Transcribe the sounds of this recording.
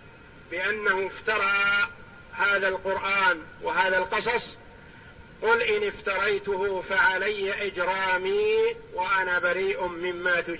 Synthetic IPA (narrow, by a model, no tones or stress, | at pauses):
bɪʔanːahʊɪft̪ɑɾˤɑː | haːðalqʊɾʔaːnwɪɦaːðalqɨsˤɑsˤ | qʊlʔɪnɪft̪ɑɾˤɑjt̪ʊhʊfaʕalajːaʔɪd͡ʒɾˤɑːmiːwaʔanaːbaɾiːʔʊmɪmːaːt̪ʊ